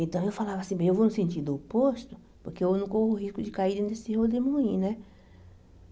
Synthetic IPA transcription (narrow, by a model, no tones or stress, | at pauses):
ẽnt̪ɐ̃w̃ewfalavɐasĩbẽj̃ewvownʊsẽnt͡ʃiɾd̪ʊopost̪ʊ | poɾkeewnɐ̃w̃kohʊɦiskʊd͡ʒɪkaiɾd̪ẽd̪esɪhod̪emũĩnɛ